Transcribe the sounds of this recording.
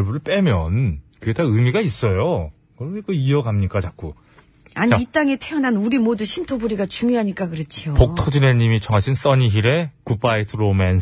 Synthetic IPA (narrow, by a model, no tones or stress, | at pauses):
ɭbuɾɯɭp͈e̞mjʌnkɯɡetaɯmiɡais͈ʌjo | kɯɾʌmekɯiʌɡamɲik͈at͡ɕak͈̚o | aɲiːt͈aŋetʰejʌnanuɾimoduɕʰimtʰobuɾiɡat͡ɕuŋjoɦaɲik͈akɯɾʌt͡ɕʰiopokktʰod͡ʑine̞ɲimit͡ɕʌŋɦaɕʰins͈ʌɲiɦiɾe̞kup͈aitʰɯɾomen